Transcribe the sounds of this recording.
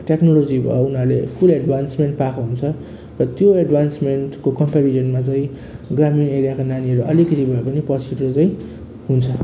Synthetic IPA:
ʈeknolod͡zibʱʌ̰unaɾlepʰuleɖbʱansmeɳʈpakʰoɦunt͡sʰʌ | rʌt̪joeɖbʱansmeɳʈkokʌmpeɾid͡ʒʌnmat͡saĩ | ɡramineɾjakonaniɦʌɾuʔʌlikʌt̪ibʱʌepʌnipʌsiʈrot͡saĩ | ɦunt͡sʰʌ

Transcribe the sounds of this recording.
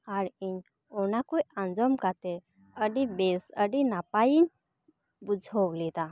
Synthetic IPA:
aɽiɲ | ɔnakujãnd͡zɔmkat̪e | əɖibesəɖinapajin | bud͡zʱɔwlit̪a

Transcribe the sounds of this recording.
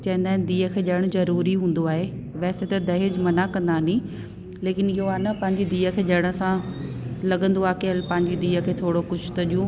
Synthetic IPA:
t͡ɕɐ̃ɦĩnd̪aɦɪnd̪iːɦəkʰeːʄɐɽ̃zɐɾuːɾiɦũːn̆d̪oaːɦe | ʋɛːset̪ɐd̪ɐɦɪd͡ʑmɐnakɐ̃nd̪anĩ | leːkɪnɪɦoaːnɐpɐ̃ɦɪ̃ɲd͡ʑid̪iːəkʰeːʄɐɽ̃ə̆sã | lɐɠə̃nd̪oaːkeəlpɐ̃ɦɪ̃ɲd͡ʑid̪iːəkʰeːt̪ʰoːɽokʊd͡ʑʰʊ̥t̪ɐɗijũ

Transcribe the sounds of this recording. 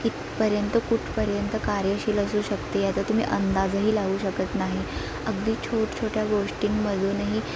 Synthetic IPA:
it̪ | pəɾjənt̪əkuʈʰpəɾjənt̪əkaɾjəɕiːləsuːɕəkt̪ejat̪at̪um̤ḭːʔənd̪ad͡zəɦiːlaɡuːɕəkət̪naɦi | əɡd̪iːt͡ɕʰoʈt͡ɕʰoʈjaɡoʂʈiːŋməd̪ʱunaɦi

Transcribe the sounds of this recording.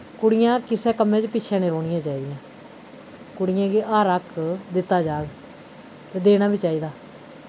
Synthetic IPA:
kʊɽɪjãːkɪsɛːkəmːẽːt͡ʃpɪːʃʰɛ̃ːnẽːɾoːnɪjãːt͡ʃaːiːd̪ɪjãː | kʊɽɪjãːɡiːʔaːɾəkd̪ɪt̪ːaːd͡ʒaːɡ | t̪eːd̪eːnaːbʱiːt͡ʃaːiːd̪aː

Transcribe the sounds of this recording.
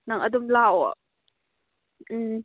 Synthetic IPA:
naŋʔadumlaw | ʔ̩

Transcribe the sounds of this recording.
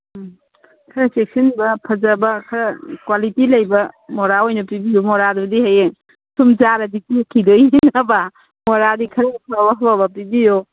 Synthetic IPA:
kʰɐɾɐsek̚sinbɐpʰɐd͡ʒɐbɐkʰɐɾɐkwalitilɐjbɐmoɾaojnɐpibijomoɾadudiɦaje | sumzaɾɐditikʰidojnɐba | moɾadikʰɐɾɐpʰabaɦɐbabɐpibijo

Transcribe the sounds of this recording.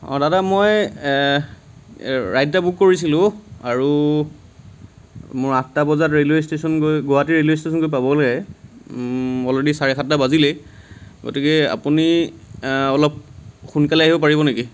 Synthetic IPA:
ɔ̰̃dadamoj | ɹajdtabukkːoɹisilʊ̃aɹu | mʊɹatːabɔzatɹeljostesɔnkojɡoɦatiɹeljostesɔnkojpabɔlaɛ | ɔledisaɹɛxʰatːabazilɛ | ɡo̰tikɛa̰puni | ɔlɔp̚xunkalɛaɦibɔp̬aɹibɔneki

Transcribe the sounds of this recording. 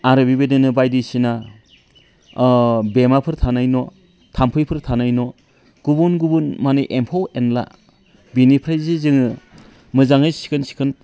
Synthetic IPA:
aɾɯbibedɯnɯbajdisina | bemapʰɯɾtʰanajnɔ | tʰampʰɯjpʰɯɾtʰanajnɔ | ɡ̥ubunɡubunmanɯjʔempʰawenla̰ | binipʰɾajzizɯŋɯ | mɯzaŋɯjsi̥kʰɯnsi̥kʰɯn

